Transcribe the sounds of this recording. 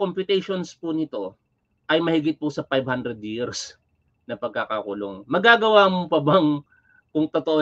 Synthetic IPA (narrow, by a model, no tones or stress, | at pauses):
kompʊt̪ɛjʃonspʊnɪt̪o̞ | ʔɐjmɐhɪɡɪt̪̚pʊsɐfajbhand̪ɾɛd̪̚jiɾs | nɐpɐɡ̚kakakʊlo̰ŋmɐɡaːɡɐwaːmʊpɐbɐŋ | kʊŋt̪ot̪oʔo